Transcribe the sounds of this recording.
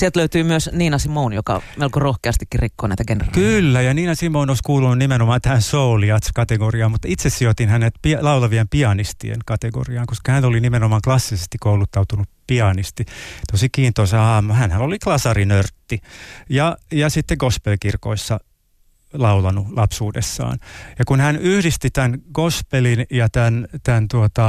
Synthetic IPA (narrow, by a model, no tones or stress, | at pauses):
sielt̪løyt̪yːmyøsniːnɑsimounjokɑ̰melkorohkeɑst̪ikːirikːoːnæ̰it̪æɡenḛrɑ̰lkylːæjɑniːnɑsimounoiskuːlununimenomɑːt̪æhænsouliɑt̪skɑt̪eɡoriɑːmut̪ːit̪sessiot̪inhænet̪piɑlɑulɑʋiempiɑnist̪ḭḛnkɑt̪eɡo̰riɑːŋkoskɑhænolinimenomɑːklɑsːisest̪ikoulut̪ːɑut̪unuppiɑnist̪it̪osikiːnt̪oseɑːmːuhænhæloliklɑsɑrinørt̪ːijɑjɑsit̪ːeɡospelkirko̰isːɑ | lɑulɑnulɑpsuːdḛsːɑ̰ːnjɑkunhænyhdist̪it̪ænɡ̥ospelinjɑt̪ænt̪ænt̪uot̪ɑ